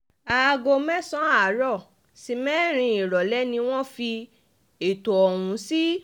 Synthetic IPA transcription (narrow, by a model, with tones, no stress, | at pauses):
a˨˧ɡo˧mɛ̃˦sɔ̃˦a˨˦ɾɔ˦˨ | si˧˦mɛː˦ɾ̃ĩ˧i˨ɾɔ˨lɛ˨˦nĩ˧w̃ɔ̃˦fi˧ | e˨to˨ɔ˨wũ˨˦si˦